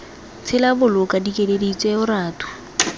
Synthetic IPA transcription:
t͡sʰɪlabʊlʊkʼadikʼeledit͡sʼɛʊɾaːtʰʼʊ̥

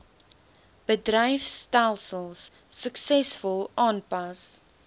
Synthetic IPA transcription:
b̥ədrəjfstælˠsəlˠsː | əksɛsfʊlˠɑːnpɐs

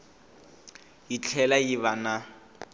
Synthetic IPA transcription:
jit͡ɬʰɛlajiβana

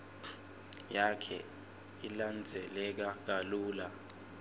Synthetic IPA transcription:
jakʰɛ̰ | iland͡zʱɛlɛk̬ak̬aluːla

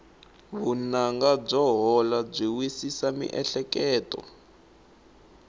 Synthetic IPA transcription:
βunaŋɡab͡ʐɔɦɔlab͡ʐiwisisamḭʔɛɬɛkɛːtɔ̰

